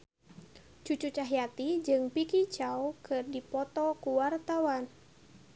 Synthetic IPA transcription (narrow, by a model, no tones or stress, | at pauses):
t͡ʃut͡ʃut͡ʃaɦjat̪id͡ʒɨŋpikit͡ʃawkɨrdipɔt̪ɔkuwart̪awan